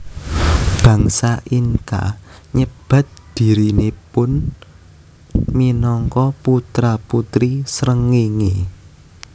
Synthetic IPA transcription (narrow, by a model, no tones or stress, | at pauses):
b̥ä̤ŋsaʔiŋka̰ɲəb̥a̤t̪̚d̪̥i̤ɾinepʊn | minɔŋkɔput̪ɾaput̪ɾisɾəŋeŋe